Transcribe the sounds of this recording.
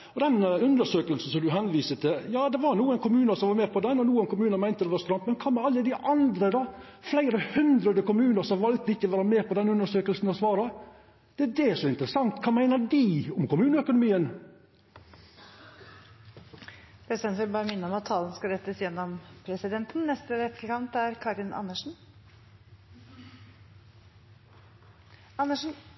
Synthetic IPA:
ɔd̪ɛnʉnd̪əʂøːkəlsn̩sɔmd̪ʉɦɛnʋiːsət̪ʰɪljɑːd̪ɛʋɑɾnuːənkʰʊmʉːnəsɔmʋɑɾmɛːpʰɔd̪ɛnːɔnuːənkʰʊmʉːnəmæɪnt̪əd̪ɛʋɑɾst̪ɾɑmpmɛnkʰɑːmɛɑlːəd̪ɪʔɑnd̪ɾəd̪ɑ | flæɪɾəhʉnd̪ɾəd̪əkʊmʉːnəʂɔmʋɑlt̪əɪçːəɔʋæːɾəmeːpɔd̪ɛnʉnd̪əʂøːkəlsn̩ɔsʋɑːɾɑ | d̪̥ɛæd̪ɛʂɔɪnt̪əɾəsɑŋt̪kʰɑːmæɪnəɾdɪʊmkʊmʉːnəœkʊnʊmiːən | pʰɾɛsɪd̪ɛnt̪ʋɪlbɑːɾəmɪnːəɔmɑt̪ʰːɑːlən̩skɑɾɛt̪ːəsjɛnːɔmpʰɾɛsɪd̪ɛnt̪n̩nɛst̪əɾɛt̪ʰːəkʰɑmnt̪æɾkʰɑːɾɪnʔɑ̰nːəʂn̩ | ɑnːəʂn̩

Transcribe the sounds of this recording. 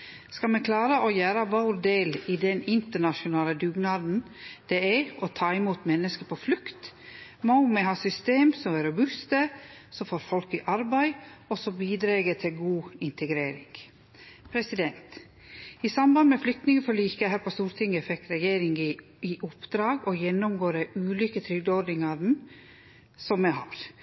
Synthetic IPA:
skɑmɛkʰlɑːɾəʔɔjæːɾəʋoɾd̪eːlid̪ɛnɪnt̪əɳɑʃʊnɑːləd̪ʉːɡnɑːd̪n̩ | d̪̥ɛɛɔt̪ʰɑːɪmuːt̪mɛnːəskəpʰɔflʉkt̪momɛɦɑːsʏst̪eːmsɔmɛɾʊbʉst̪əsɔmfoːɾfɔlkɪʔɑɾbæɪɔsɔbiːd̪ɾeːɡət̪ʰɪlɡuːɪnt̪ʰəɡɾeːɾɪ̰ŋ | pʰɾɛsɪd̪ɛnt̪ | ɪsɑmbɑnd̪mɛflʏk̚t̪nɪŋəfɔliːkəhæːɾpʰɔst̪uːɾt̪ʰɪŋːəfɛkːɾɛjeːɾɪŋ | ɪʔʊpːd̪ɾɑːɡɔjɛnːʊmɡoːɾəʔʉːlyːkət̪ʰɾʏɡd̪əɔd̪ɪŋɑd̪n | sɔmːɛhɑ̰ːɾ

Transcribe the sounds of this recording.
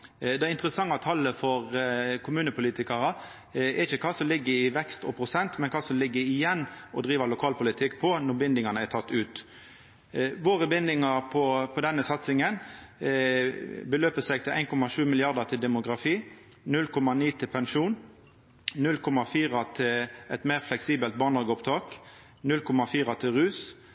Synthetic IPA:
d̪ɛɪɪnt̪ɾəsɑŋːɑt̪ʰɑlːəfɔʁkʰʊmʉːnəpʊliːt̪ɪkɑʁɑ | ɛɾɪçəkʰɑːsɔmlɪɡːəɪʋɛkst̪ɔ̰pʰʁʊsɛnt̪mɛnkʰɑːsɔmlɪɡːəɪjɛnːʔɔd̪ʁiːʋəlʊkʰɑːlpʊlɪt̪ʰɪkːpʰɔnɔbɪnd̪ɪŋɑnəæt̪ʰɑt̪ːʉːt̪ | ʋoːʁəbɪnd̪ɪŋɑʁpʰɔpʰɔd̪ɛnːəsɑt̪sɪŋən | bəløːpəsæɡt̪ʰɪlʔæɪnkʰɔmɑʂʉːmɪlɪɑʁd̪ɑt̪ʰɪld̪ɛmʊɡʁɑfiː | nʉlkʰɔmɑniːt̪ʰɪlpʰɛnʂuːn | nʉlkʰɔmɑfiːʁɑt̪ʰɪlɛt̪meːʁflɛksiːbəlt̪̚bɑːnɑɡəʊpt̪ʰɑːk | nʉlkʰɔmɑfiːʁɑt̪ʰɪlʁʉːs

